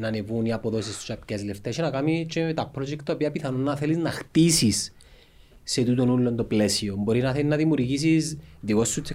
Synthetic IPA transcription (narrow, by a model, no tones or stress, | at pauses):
nɐnevuniapoðo̞sist̪u̥sɐpce̞zleft̪est͡ʃenɐkamit͡ʃet̪ɐpɾod͡ʒekt̪ɐopiɐpiθɐno̞nːɐθeliznɐxt̪isisː | e̞t̪ut̪o̞nulːo̞nt̪oplesio̞mbo̞ɾinɐθenɐðimjuɾʝis̬izðiko̞sːut̪se